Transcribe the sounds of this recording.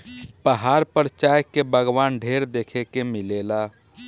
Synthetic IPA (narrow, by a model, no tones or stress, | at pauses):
pəɦaːɾpəɾt͡ʃaːjkebəɡwaːnɖʱeːɾd̪eːkʰekemɪleːla